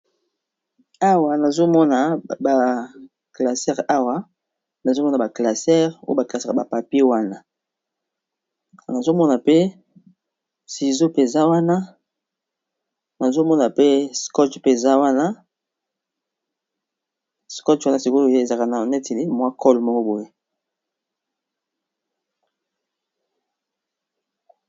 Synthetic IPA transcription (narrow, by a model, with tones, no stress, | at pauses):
a˦wa˨na˨zo˦mɔ˦na˨ba˨ | kla˨sɛ˦ʁa˦wa˦ | na˨zo˦mɔ˦na˨ba˨kla˨sɛ˦ʁo˦ba˨ka˨sɛ˦˨ba˨pa˨pe˦wa˦na˦˨ | na˨zo˦mɔ˦na˨pe˦ | si˨zo˦pe˨za˦wa˦na˦ | na˨zo˦mɔ˦na˨pe˦skɔ˦tpe˨za˦wa˦na˦ | skɔ˦twa˦na˦si˨ko˦˨je˦e˨za˨ka˨na˨nɛ˦te˨li˦mwa˦kɔ˦lmɔ˦kɔ˦bo˨je˦